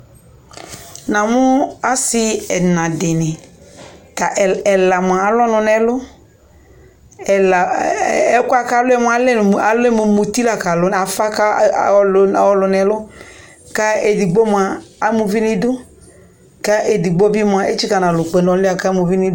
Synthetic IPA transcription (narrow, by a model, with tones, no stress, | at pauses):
nã˨mʊ˦a˦sɪ˦ɛ˨nã˨dɪ˨nɪ̃˨ | ta˨ʔɛ˨la˨mʊ̃˨aː˨lɔ˦nʊ̃˨nɛ˨lʊ˦ | ɛ˨la˨ɛ˦kʊ˦a˦ka˦˨˦lʊ˦ɛ˦mʊ˦a˨lɛ˦˨a˨lʊ˦ɛ˦mo˨mo˨t̪i˦la˨ka˨lʊ˦n˨a˨fa˦ka˦lɔ˦lʊ˨nɛ˨˦lʊ˦ | ka˦e˨di˨ɡ͡bo˦mʊ˨aː˨˦mũ˨vi˦nɪ˦dʊ˦ | ka˦e˨di˨ɡ͡bɔ˦bi˦mʊ˨a˨ʔe˦t͡ʃi˦ka˨nã˨lʊ˨k͡pe˨n˨ɔ˨la˨ka˦mu˨vi˦nɪ˦